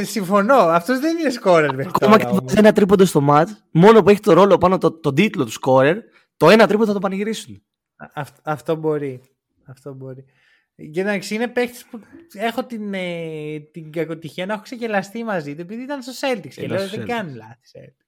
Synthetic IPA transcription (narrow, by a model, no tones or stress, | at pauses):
siɱfo̞no̞ɐft̪o̞zðeninesko̞ɾeɾvekomɐkeðsenɐt̪ɾipond̪ost̪o̞mɐt̪ | mo̞nopueçi̥t̪o̞ɾo̞lo̞pɐnot̪ot̪od̪it̪lo̞t̪u̥sko̞ɾe̞ɾ | t̪o̞e̞nɐt̪ɾipond̪θt̪opɐnɐʝiɾisun | ɐft̪ɐft̪o̞bo̞ɾi | ɐft̪o̞bo̞ɾi | ʝenɐksinepekt̪i̥spue̞xo̞t̪inet̪iŋɡɐko̞t̪içiɐnɐexoksecelɐst̪imɐzit̪ue̞piðiit̪ɐnst̪oselt̪iksceleoðeɡɐnulɐθi̥sḛlt̪i